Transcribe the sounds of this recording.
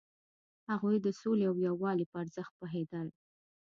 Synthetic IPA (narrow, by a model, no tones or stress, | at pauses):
haɣujd̪əsoleawjawɑlipəaɾzəxt̪̚pəɦed̪əl